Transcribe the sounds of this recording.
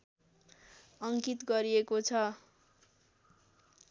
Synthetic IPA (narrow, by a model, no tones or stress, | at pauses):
ʌŋkit̪ɡʌɾiekot͡sʰʌ